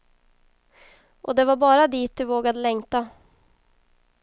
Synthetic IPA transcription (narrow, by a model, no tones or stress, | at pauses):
ʔɔ̰d̪ɛvaɾbɑːɾad̪iːt̪̚d̪ɵvoːɡad̪əlɛŋt̪a